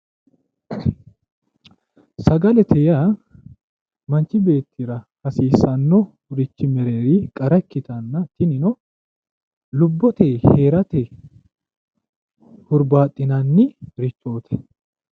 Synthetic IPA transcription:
sɐɡɐlɛt̪ʰɛjaː | mɐnt͡ʃːɪbe̞ːt̪ʰːɪɾɐ | hɐsiːsɐnːɔ | ɾɪt͡ʃːɪmɛɾeːɾɪkʼɐɾɐkːɪt̪ɐnːɐt̪ɪnɪnɔ | lʊbːɔt̪eːhe̞ːɾɐt̪ɛ | hʊɾbaːt̪ʼːɪnɐnːɪɾɪt͡ʃʼːoːt̪ʰɛ̥

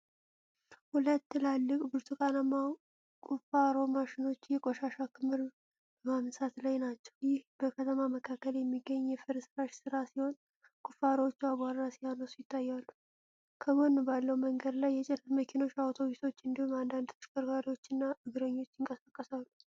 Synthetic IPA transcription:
hulət̪ːɨlalːɨkʼbɨɾt̪ʼukʼanama | kʼufaɾo̞maʃɪno̞t͡ʃːjɛkʼoʃaʃakʰɨmːɨɾ | bəmamsat̪lajnat͡ʃːɛ̥wjɪhbəkʰət̪ʰəmaməkʰakːəljɛmːiɡːəɲːjɛfɨɾsɨɾaʃsɨɾasiho̞n | kʼʊfaɾowot͡ʃːaβaɾɾasijanəsujɪt̪ʰːajːalːu | kʰəmənːubalːəwməŋɡəd̪lajːɛt͡ʃʼɛnɨməkʰino̞t͡ʃːawt̪ʰo̞βist̪ʰo̞t͡ʃːɨnd̪ihumand̪and̪ʰot͡ʃkʼəɾɡaɾiwo̞t͡ʃːɨnːaɨɡɾəɲːo̞t͡ʃːɪŋkʼəsakʼːəsalːu

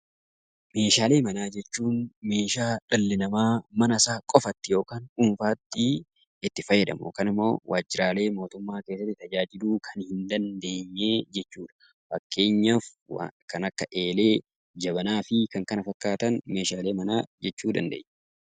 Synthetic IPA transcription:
me̞ːʃaːle̞ːmɐnaːd͡ʒɛt͡ʃːuːnme̞ːʃaːᶑɐlːɪnɐmaːmɐnɐsaːkʼɔfɐt̪ːɪjo̞ːkaːnuːnfaːt̪ːɪ | ɪt̪ːɪfɐjːɛd̪ɐ̰mʊ̰kɐnɪmːo̞̰ːwʔa̰ːd͡ʒːɪɾaːle̞ːmo̞ːt̪ʊmːaːke̞ːsːɐt̪ːɪt̪ɐd͡ʒaːd͡ʒɪluːkʰɐnhɪnd̪ɐnd̪e̞ːɲːe̞ːd͡ʒɛt͡ʃːuːᶑɐ̥ | fɐkːe̞ːɲːafkɐnɐkːɐʔe̞ːle̞ː | d͡ʒɐbɐnaːfɪkɐŋkɐnɐfɐkːaːt̪ɐnme̞ːʃaːle̞ːmɐnaːd͡ʒɛt͡ʃːuːd̪ɐ̰nd̪ḛːɲː

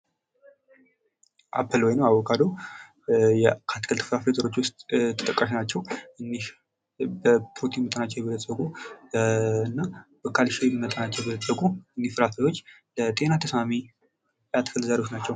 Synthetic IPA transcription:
ʔa̰pʰːəlwɔjnəwawɔkʼad̪o | jɛkʰat̪kʰəlt̪ɨ̥fɾafet̪ʰʼəɾo̞t͡ʃːwʊst̪ʼt̪ʰə̥t̪ʼəkʼːaʃinat͡ʃːɛwɨnːiʃ | bəpɾot̪ʰimət̪ʼənat͡ʃːɛwjbɛləsʼəkʼu | ɨnːabəkʰalʃilmət̪ʼənat͡ʃːɛwjbɛləsʼəkʼuɨnːifɨɾafajo̞t͡ʃːlət̪ʼe̞nat̪ʰəsmami | jat̪kʰəlzaɾewot͡ʃːnat͡ʃːɛw

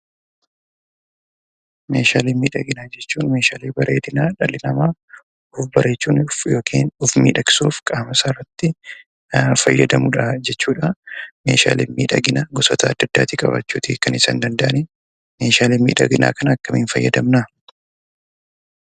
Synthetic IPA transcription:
me̞̰ːʃaːleːmiːᶑɐɡɪnaːd͡ʒɛt͡ʃːuːnme̞ːʃa̰ːleːbɐɾeːd̪ɪnaːᶑɐlɪnɐmaː | ʊfbɐɾʔe̞ːt͡ʃːuːnfjo̞ːkʰḭːnʊfmḭːᶑɐkɪ̥sṵːfkʼaːmɐsaːrːɐt̪ːɪ | fɐjːɐd̪ɐmʊᶑad͡ʒɛt͡ʃːuːᶑɐme̞̰ːʃa̰ːlḛːnmḭːᶑɐ̰ɡɪnaɡɔsɔt̪ɐːd̪ːɐd̪ːa̰ːt̪ikʼɐbɐ̰t͡ʃːuːt̪iːkːɐnɪsɐ̰ːnd̪ɐnd̪ɐʔɐnɪ | me̞ːʃaːliːmiːᶑɐ̰ɡɪna̰ːkɐnːkːɐminfɐjːɐ̰d̪ɐmna

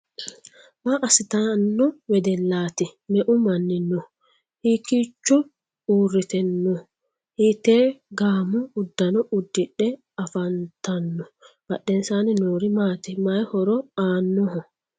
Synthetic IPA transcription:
maʔɐsɪt̪ɐnːɔwɛd̪ɛlːaːt̪ɪmɛʔʊmɐnːɪnːɔ | hiːkiːt͡ʃːɔ | uːrːɪt̪ɛnːɔ | hit̪eːɡaːmʊːd̪ːɐnɔʔʊd̪ːɪᶑːɛ | ɐfɐnt̪ɐnːɔ | b̥ɐɗːɛnsaːnɪnoːɾɪmaːt̪ɪmajhɔɾɔaːnːɔɦɔ

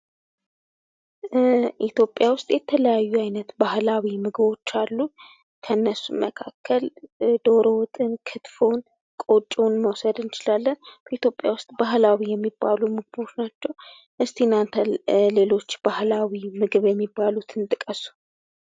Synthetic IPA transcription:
ʔit̪ʰjo̞pʼːjawʊst̪ʼjɛt̪ʰələjajːuajnət̪bahlawimɨɡɨβo̞t͡ʃːalːu | kʰənːəsuməkʰakʰːəld̪o̞ɾowɔt̪ʼɨnkʰɨt̪fo̞n | kʼo̞t͡ʃʼːonməwsəd̪ɨnɨt͡ʃɪlalːənb̥əit̪ʰjo̞pʼːja̰wʊst̪ʼbaɦlawijɛmːibːalumɨɡɨbo̞t͡ʃːnat͡ʃːɛw | ʔɨst̪ʰinant̪ʰəlle̞lo̞t͡ʃːb̥ahlawimɨɡɨβjɛmːibːalut̪ʰɨnt̪ʼɨkʼəsu̥

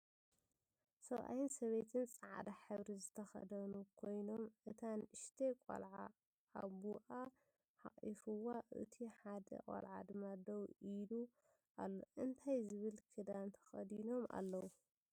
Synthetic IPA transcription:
sɐβʔa̰jɪnsɐβet̪ʰɨnt͡sʼaʕa̰d̪aħɨβɾizɨt̪ʰɐxɐ̰d̪ɐnukʰo̞jno̞mʔɨt̪ʰanɨʃt̪ʰekʷʼɐ̰lʕa | a̰buʔa | ħa̰χʼḭfɨwaʔɨ̰t̪ʰiħad̪ɐ̰kʼɐ̰lʕa̰d̪ɨmːad̪ɐwilu | ʔalːoʔɨnt̪ʰajzɨβɨlkʰɨd̪ant̪ʰɐ̥xɐ̰d̪ino̞ma̰lːɐwu

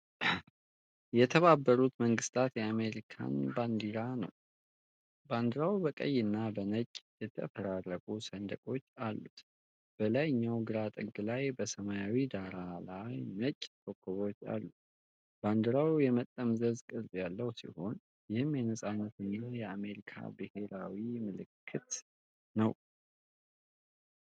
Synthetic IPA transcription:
jɛt̪ʰəβabːəɾut̪məŋɡɨst̪ʰat̪jɛame̞ɾikʰa̰nband̪iɾanə̰w | band̪ɨɾawbəkʼə̰jːɨnːabənət͡ʃʼːjɛt̪ʰə̰fəɾarəkʼusənd̪əkʼo̞t͡ʃːalːut̪ | b̥əlajɲːawɡɨɾat̪ʼɨɡːɨlajbəsəmajawid̪aɾalajnət͡ʃʼːt̪ʰokʰːoβo̞t͡ʃːa̰lːu | b̥and̪ɨɾawjɛmət̪ʼːəmzəzkʼɨlzʼjalːəhwsḭho̞n | jɪhɨmjɛnəsʼanːət̪ɨnːajɛame̞ɾikʰa̰bɨhe̞ɾawimɨlɨkʰːɨt̪ | nəw

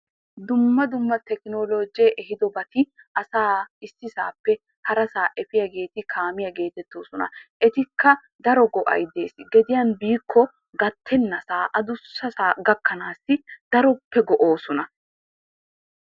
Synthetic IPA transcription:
d̪ʊmːɐd̪ʊmːɐt̪ɛkɪnoːloːd͡ʒjɛʔɛɦɪd̪ɔbɐt̪ɪ | ʔɐsaːɪsːɪsaːpːɛ | hɐɾɐsaːʔɛfɪjɐɡe̞ːt̪ɪkʰaːmɪjɐɡe̞ːt̪ɛt̪ːo̞ːsɔnɐ̰ʔɛt̪ɪkːɐ | d̪ɐɾɔɡɔʔɐ̰jd̪e̞ːsɡɛd̪ɪjɐnbiːkʰːɔ | ɡɐt̪ʰːɛnːɐsaːʔɐd̪ʊsːɐsaːɡɐkːɐnaːsɪd̪ɐɾɔpːɛɡɔʔoːsɔnɐ

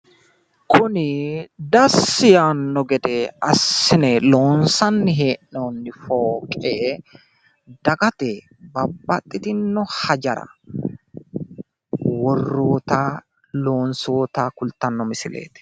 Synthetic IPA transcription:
kʰʊnɪd̪ɐsːɪjaːnːɔɡɛd̪ɛɐsːɪnɛlo̞ːnsɐnːɪɦeːʔnoːnːɪfoːkʼeː | d̪ɐɡɐt̪ɛ | bɐbːɐt̪ʼːɪt̪ɪnːɔhɐd͡ʒɐɾɐ̰ | wɔrːoːt̪aː | lo̞ːnsoːt̪aːkʊlt̪ɐnːɔmɪsɪlḛːt̪ɪ̥

